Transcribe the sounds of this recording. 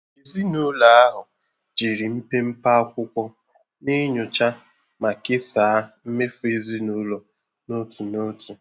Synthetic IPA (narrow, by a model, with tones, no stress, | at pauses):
i˨zi˦no˦la˨a˦ɦʊ˨ | d͡ʒi˨ɾi˨m̩˦pe˦m̩˦pa˦kʷʊ˦kʷɔ˦ | nɪ˦ɲʊ˨t͡ʃa˦ | ma˨kɪ˦saː˨a˦m̩˦me˦fʊ˦e˦˨zi˦no˦lo˨ | no˦tu˨no˦tʰu˨